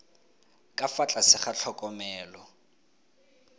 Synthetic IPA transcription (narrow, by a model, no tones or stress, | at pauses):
kʼafat͡ɬʼasɪχat͡ɬʰɔkʼɔmɛːlɔ